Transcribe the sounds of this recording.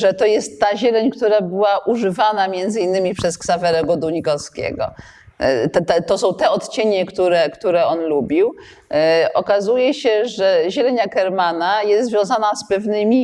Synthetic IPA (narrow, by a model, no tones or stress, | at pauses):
ʐɛt̪ɔjɛst̪ːaʑɛlɛɲkt̪uɾabɘwaʔuʐɘvanamʲjɛnd̪zɘinːɘmʲipʂɛsksavɛɾɛɡɔd̪uɲikɔskʲḛɡɔ̰ | t̪ɛt̪ɛt̪ɔsɔ̃w̃t̪ɛɔt̪t͡ɕeɲɛkt̪uɾɛkt̪uɾɛɔnlubʲiw | ɔkazujɛɕɛʐɛʑɛlɛɲakɛɾmanajɛst̪zvʲjɔ̃w̃zanaspɛvnɘmʲi